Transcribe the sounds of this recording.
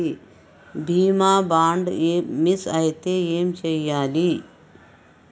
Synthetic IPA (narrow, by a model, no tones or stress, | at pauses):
i | bʱiːmaːbaːɳɖemisɐjt̪eeːmt͡ʃɐjːaːliː